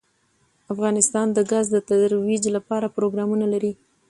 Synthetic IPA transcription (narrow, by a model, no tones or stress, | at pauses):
afɣɑnɪst̪ɑnd̪əɡazd̪ət̪ad̪ɾwid͡ʒlapɑɾapɾoɡɾɑmunalaɾi